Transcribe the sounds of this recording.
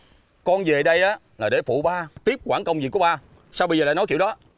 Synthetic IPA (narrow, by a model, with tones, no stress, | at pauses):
kɔ˧nve˨˩ɗə˧jʔaː˨˦ | laː˨˩ɗe˧˩fṵ˧˨ɓaː˧t̪i˦˥p̚kwaː˧˩nŋkə˧wŋ͡mvḭ˨˩kːɓaː˧ | saː˧wɓə˧jzəː˨˩laː˧˨nɔ˦kḭ˧˨wɗɔ˨˦